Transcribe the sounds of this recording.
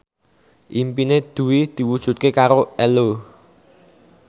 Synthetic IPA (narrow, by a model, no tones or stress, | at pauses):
ʔimpined̪̥ṳwid̪̥i̤wud̥ʒ̥ṳt̪̚kekaɾoɛlo